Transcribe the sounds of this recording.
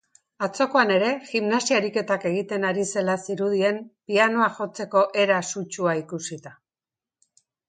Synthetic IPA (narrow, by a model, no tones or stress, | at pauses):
at͡so̞ko̞ane̞ɾe̞ximnasiaɾike̞t̪ake̞ɣ̞it̪e̞naɾise̞lasiɾuð̞ie̞mpiano̞aʝo̞t͡se̞ko̞ʔe̞ɾasut͡ʃuaikusit̪a